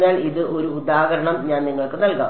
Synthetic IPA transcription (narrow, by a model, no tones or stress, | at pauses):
naːliðɨʔo̞ɾuːd̪aːɦɐɾɐɳɐmɲaːnniŋːɐɭkːɨnɐlka̰ː